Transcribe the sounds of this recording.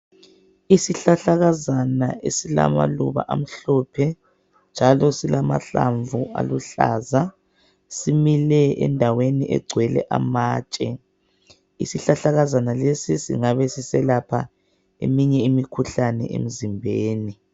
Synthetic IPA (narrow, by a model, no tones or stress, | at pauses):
isiɬaɬaɣazanaʔesila̰ma̰lṵβa̰ʔam̩ɬɔpʰɛ | nd͡ʒʱalɔsilamaɬa̰ɱvua̰luɬa̰ːza | similɛɛ̰ndʱaweniʔɛɡ͡ǀʱwɛlɛ̰ʔamaːt͡ʃʼɛ | ḭsiɬaɬaɣazanalesisḭŋaβɛsisɛlapʰa | emiɲɛimikʰuɬanɛ̰ʔḛm̩zimbʱeːni